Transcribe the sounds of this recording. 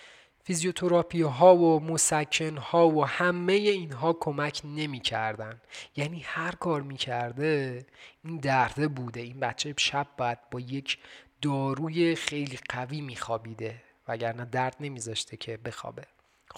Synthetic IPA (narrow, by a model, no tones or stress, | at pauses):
fizijo̞t̪ʰo̞ɾɒːpʰiɦɒːvomosæcʰːe̞nhɒːvohæme̞je̞iːnɦɒːkʰo̞mæcʰne̞miːcʰæɾd̪ænjæːniːhæɾkʰɒːɾmiːcʰæɾd̪eiːnd̪æɾd̪e̞buːd̪e̞iːnbæt̪t͡ʃʰeʃæb̚ːɒːjæd̪̚bɒːje̞cʰd̪̥ɒːɾuːje̞xe̞jliːɢæviːmiːxɒːbiːd̪e̞ | væɟæɾnæːd̪æɾd̪̥ne̞miːzɒʃt̪ʰecʰebe̞xɒ̰ːbe̞